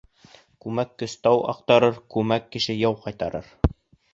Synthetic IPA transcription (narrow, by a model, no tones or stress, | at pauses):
kʉmækːɵ̆st̪ɑwʔɑ̰qt̪ɑɾɤɾkʉmækːɘ̆ʃɘjɑwqɑjt̪ɑɾɤ̰ɾ